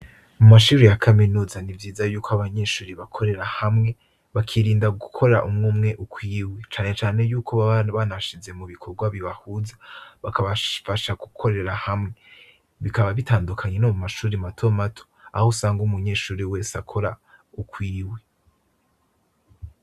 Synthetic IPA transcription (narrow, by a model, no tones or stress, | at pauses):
mumaʃuːɾejakʰaminuːzanivjiːzajuːkʰoaβaɲe̞ʃuːɾiβakʰo̞ɾe̞ɾahamŋe̞ | βakʰiɾiːndaɡukʰo̞ɾɾaʔumŋuːmŋe̞ʔukʰwiːwe̞t͡ʃaːne̞t͡ʃaːne̞juːkʰo̞βanaʃize̞muβikʰo̞ɾɡwaβiβahuzḁβakʰaβafaʃaɡukʰo̞ɾe̞ɾahamŋe̞ | βikaβaβitaːndukʰaɲenomumaʃuːɾimatʰo̞matʰo̥ahosaːŋɡumuɲe̞ːʃuːɾiwe̞ːsakʰo̞ɾa | ukʰwiːwe̞